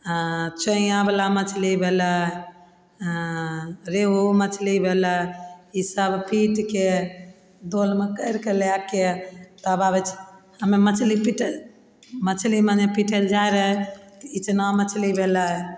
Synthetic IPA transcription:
t͡ʃəĩjabelamət͡ʃʰlibʱelə | ɾeɦomət͡ʃʰlibʱeləisəbʱpiʈke | d̪olmekəjɾkeleaket̪əbabɛt͡ʃʰhəmemət͡ʃʰlipiʈ | mət͡ʃʰlimanepiʈʰəɾd͡ʒajɾəɦɛt̪it͡ʃnamət͡ʃʰlibʱelə

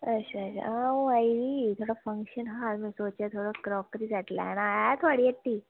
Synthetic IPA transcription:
əɕaəɕa̰ũaiɖit̪ʰoɽafəŋkɕənɦãmisot͡ɕat̪ʰoɽakɾɔkɾid͡zaʈla̰naat̪ʰoaɽieʈt̪ːiː

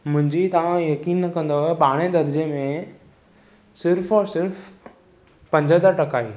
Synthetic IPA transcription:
mʊ̃ɦɪ̃ɲd͡ʑit̪ɐʋ̤ãjɐkiːnːɐkɐ̃nd̪oɦeɓaːɽ̃ed̪ɐɾd͡ʑemẽ | sɪɾfɔːɾsɪɾf | pɐ̃ɲd͡ʑʱəd̪əɾʈɐkaːiː

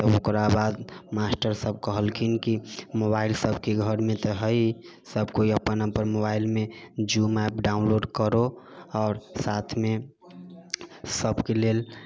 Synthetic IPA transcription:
t̪ɔokɾabaːd̪masʈəɾsəb̚kəɦəlkʰinkimobaːɪlsəbkeɡʱəɾmẽt̪ɔɦəi | səbkoiəpənəpəɾmobaːɪlmẽd͡ʒumapɖaːʊ̃nloːɖkəɾoɔːɾsaːt̪ʰmẽ | səbkeleːl

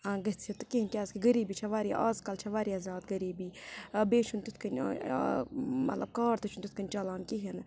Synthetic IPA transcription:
aːɡɐst͡sʰit̪ukiɦinkʲaːzkiɡɐɾiːbit͡ʃʰɐʋaːɾia̰ːzkɐlt͡ʃʰɐʋaːɾiɐzaːt̪ɡɐɾiːbiːbeːt͡ʃʰunt̪ut̪ʰkɐn̰ʲ | mɐt̪lɐb̚kaːɾt̪ɐt͡ʃʰunt̪ut̪ʰkɐnʲt͡ʃaːlaːnkiɦin

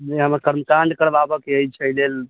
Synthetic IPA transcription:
d͡ʒeɦəməɾkəɾməkaɳɖkəɾbabəkeəjt͡ʃʰəjlel

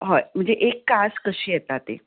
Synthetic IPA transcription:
ɦom̤əɳd͡zeʔekːaskəɕiːjɛt̪at̪ḛ

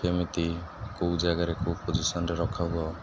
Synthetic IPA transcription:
emit̪ikowd͡ʒaɡaɾekowpod͡ʒisɔnɔɾeɾɔkʰaɦuɔ

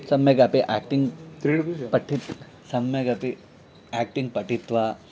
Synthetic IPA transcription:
sɐmjɐɡapeʔakʈiŋɡt̪ɾiɽipɐʈʰit̪ | sɐmɐɡape | ak̚ʈiŋɡpɐʈit̪ʋa

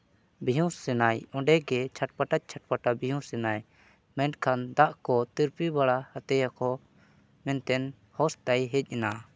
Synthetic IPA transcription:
biɦũsɛnajɔ̃ɖɛɡɛt͡ʃʰaʈ̚paʈac̚t͡ʃʰaʈ̚paʈabijũsɛnaj | mɛ̃nkʰand̪aʔkɔt̪iɾpibaɽahat̪ɛjakɔ | mɛnt̪ɛn | hɔst̪ajɦɛc̚ˀɛna

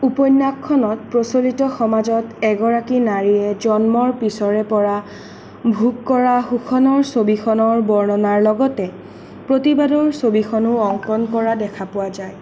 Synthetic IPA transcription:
upɔjnːakʰːɔnɔt̚pɹosolitɔxɔmazɔtɛɡɔɹakinaɹiɛd͡ʒɔnmɔɹpisɔɹɛpɔɹa | bʱuɡkɔɹaxukʰɔnɔɹsobixʰɔnɔɹbɔɹnɔnaɹlɔɡɔtɛ | pɹotibadɔɹsobixʰɔnʊɔŋkɔnkɔɹadɛkʰapʊwazaj

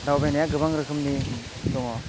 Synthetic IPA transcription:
dawbejnajaɡɯbaŋɾɯkʰɯmni | dɔŋɔ

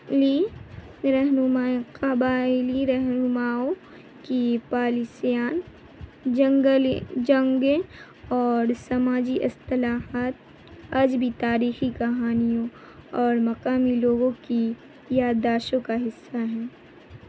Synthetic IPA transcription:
li | ɾɛɦnʊmaqɐbaːɪliiɾɛɦnʊmaːõ | kipaːlisijaːn | d͡ʒɐ̃ŋɡəld͡ʒɐ̃ŋɡẽ | ɔːɾsɐmaːd͡ʒiʔɪst̪ɪlaːɦaːt̪ | ɐd͡ʒbʱit̪aːɾiːxikɐɦaːnijõ | ɔːɾmɐqaːmiloːɡõki | jaːd̪ːaːʃõkaɦɪsːaɦɛː

